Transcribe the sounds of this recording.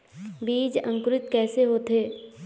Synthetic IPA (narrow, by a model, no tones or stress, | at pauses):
biːd͡ʒə̃ŋkʊɾɪt̪kɛːseɦoːt̪eː